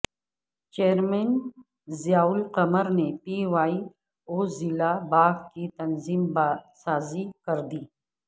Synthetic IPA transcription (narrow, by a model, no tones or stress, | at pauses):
t͡ʃeːɾmen | zjaːʊlqɐməɾnepiwaːi | oːzilabaːɡkit̪ɐnziːmbasaːzikɐɾd̪iː